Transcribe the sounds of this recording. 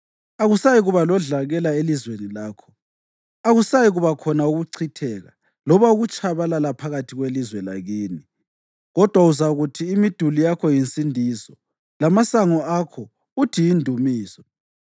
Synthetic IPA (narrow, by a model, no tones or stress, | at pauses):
aɣusajiɣuβalɔɮaɣɛlaelizwenilaːkʰɔ̥ | aɣusajiɣuβakʰɔnauɣuǀʰitʰɛːɣa̰ | lɔβauɣut͡ʃʰʼaβalalapʰaɣatʰiɣwelizwɛla̰ɣiːni | ɣɔd̥ʱwauzaɣutʰiːmid̥ʱulijakʰɔjinsʼindʱiːzɔ | lamasaŋɔakʰɔ | utʰijindʱumiːz̥ɔ